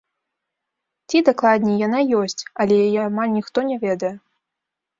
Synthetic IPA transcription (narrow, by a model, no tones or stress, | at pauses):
t͡sʲid̪aklˠad̪ʲnʲɛjanajɔsʲt͡sʲɐlʲɛjjamanʲixt̪ɔnʲɛvʲɛd̪ɐjɛ